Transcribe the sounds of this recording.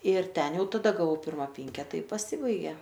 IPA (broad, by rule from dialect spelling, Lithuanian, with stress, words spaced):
ɪr ˈtʲɛn ˈjɛʊ tɐˈdɐ ɡɐˈʋɐʊ ˈpʲɪrmɐ ˈpʲɪŋʲkʲɛtɐ ɪ pɐˈsʲɪbɐɪɡʲeː